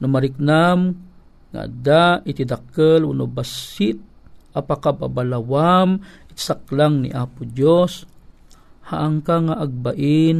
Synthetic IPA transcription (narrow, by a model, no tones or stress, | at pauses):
nʊmaɾɪk̚nam | ŋa̰d̪aʔɪt̪id̪akəlunobasɪt̪̚ʔapakababalawamʔɪt̪sak̚laŋnḭʔaːpʊd͡ʒos | haʔaŋkaŋaʔaɡ̚baʔɪn